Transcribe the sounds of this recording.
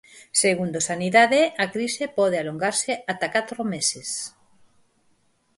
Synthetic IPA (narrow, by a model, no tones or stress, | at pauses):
seɣund̪osaniðaðeakɾisepɔð̞ealoŋɡaɾseat̪akat̪ɾomeses